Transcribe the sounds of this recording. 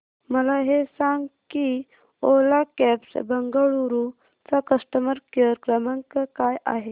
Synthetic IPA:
məlaɦesãŋɡki | olakɛpsbəŋɡaɭuɾu | t͡sakəsʈəməɾkəɾkɾəməŋkəkaja̰ɦe

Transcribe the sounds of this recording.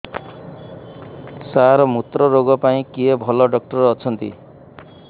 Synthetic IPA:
saɾmut̪ɾɔɾoɡɔpaĩkiebʱʌlɔɖʌk̚ʈʌɾːt͡sʰʌnt̪ḭ

